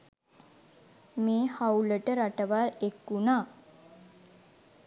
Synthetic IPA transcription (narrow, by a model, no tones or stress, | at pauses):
meːhauləʈəɾaʈəʋalekːunaː